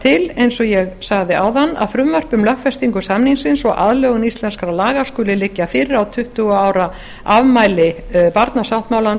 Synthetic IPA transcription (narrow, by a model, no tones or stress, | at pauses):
t̪ʰɪlejnsɔjɛɣsaɣðɪʔa̰wðanːa̰ðfɾʏmvœr̥pʏmlœhkfɛrst̪iŋkʏsamniŋsɪnsɔʔa̰ðlœːɣʏnist̪lɛnskɾalaːɣḁskʏːlɪlɪcːafɪɾɪɾawt̪ʰʏht̪ʏɣaːwɾa | avmaːjlɪ | paɾt̪nasawht̪maːwlan